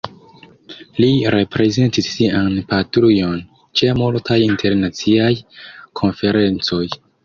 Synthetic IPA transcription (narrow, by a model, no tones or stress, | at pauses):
liɾe̞pɾe̞ze̞ntisːianpatɾujo̞n | t͡ʃemultʰajintʰe̞ɾnat͡siajkʰo̞nfe̞ɾe̞nt͡so̞j